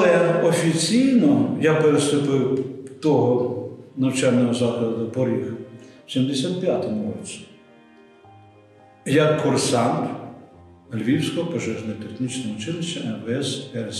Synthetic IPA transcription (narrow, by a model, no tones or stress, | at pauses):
lˠɛɔfʲit͡sʲijnɔjapeɾɪslʊpɪwt̪ɔɦɔnɐwt͡ʃalʲnɔɦɔzɑxˠd̪ʊpɔɾʲixsʲimd̪esʲat̪pʲjat̪ɔmʊrɔt͡sʲi̥ | jɐkʰːɔrsɑn | lʲʋʲiwsʲkɔɦɔpɔʒɛʒnɔjɛt̪exnʲit͡ʃnɐʊt͡ʃɪlˠɪʃt͡ʃːɐɛnbɛsɛɾs